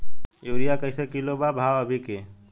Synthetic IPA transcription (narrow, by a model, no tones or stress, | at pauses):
joːɾijakəjsekilobabʱawəbʱike